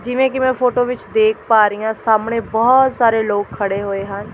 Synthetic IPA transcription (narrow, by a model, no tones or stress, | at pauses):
d͡ʒɪʋẽːkɪmɛ̃ːpʰoːʈoːʋɪt͡ʃd̪eːkʰpaːɾiːjãːsaːmɳeːbɔːt̪saːɾeːloːkʰːəɽeːɦoːeːɦən